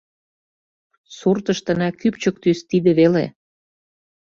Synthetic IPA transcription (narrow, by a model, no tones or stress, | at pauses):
surt̪ə̆ʃt̪ə̆nækypt͡ɕə̆k̚t̪yst̪id̪eβelḛ